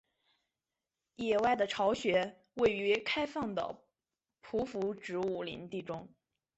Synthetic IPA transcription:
jɛ˥˩wa˥˩ɪd̪ə˩ʈ͡ʂʰɑ˧˥ʊɕɥɛ˧˥ | we˥˩ɪy˧˥kʰa˥ɪfɑ˥˩ŋd̪ə̰˩ | pʰu˧˥fu˧˥ʈ͡ʂɻ̩˧˥u˥˩lḭ˧˥nt̪i˥˩ʈ͡ʂʊ˥ŋ

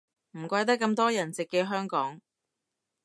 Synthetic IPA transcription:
m̩˨˩kʷɐ˧jt̪̬ɐ˥kːɐ˧mt̪ɔː˥jɐ˨˩nt͡sɪ˨kːɛ˧ɦœː˥ŋkɔː˨˥ŋ

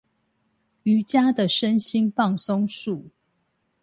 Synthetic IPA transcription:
y˨˦t͡ɕja˦d̪ə˨ʂə˦nɕi˦npɑ˥˨ŋso˦ŋʂu˥˨

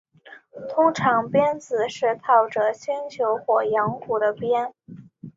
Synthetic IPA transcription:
t̪ʰʊ˥ŋʈ͡ʂʰɑ˧˥ŋpjɛ˥nt͡sɹ̩˨˩ʂɻ̩˥˧t̪ʰɑ˥˩ʊʈ͡ʂɤ˨˩ɕi˥nt͡ɕʰjo˧˥ʊxwɔ˨˩jɑ˧˥ŋku˨˩d̪ə˦pjɛ˥n

